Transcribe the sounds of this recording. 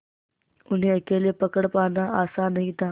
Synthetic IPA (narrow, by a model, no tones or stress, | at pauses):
un̤iːəkelepəkəɽpaːnaasanɐɦit̪aː